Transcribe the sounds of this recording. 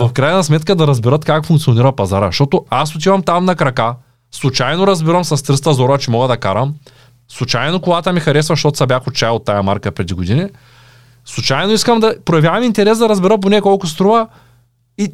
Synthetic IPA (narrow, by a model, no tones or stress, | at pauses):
vɐfkɾajnɐsmɛt̪kəd̪ɐɾɐzbɛɾət̪kakfʊŋkt̪sioniɾɐpɐzaɾəʃt̪ɔt̪oasot̪̬ivɐmt̪amnɐkɾɐka | slˠʊt͡ʃajnoɾɐzbiɾɐmsɐst̪ɾɤst̪ɐzɔɾɐt͡ʃɛmɔɡəd̪ɐkaɾəm | slˠʊt͡ʃajnokoɡat̪əmixɐɾɛsvɐʃt̪ɔt̪ʊ̥sɐbʲjaxot̪̚t͡ʃajɛot̪ːajɐmaɾkəpɾɛd̪iɡod̪ini | slˠʊt͡ʃajnoiskəmd̪ɐpɾojɐvʲjavɐmint̪ɛɾɛsd̪ɐɾɐzbɛɾəp̬onɛkɔlˠkʊst̪ɾuvɐ | i